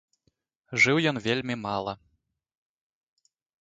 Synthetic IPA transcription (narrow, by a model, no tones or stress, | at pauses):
ʐɨwjɔnvʲelʲmʲimalˠɐ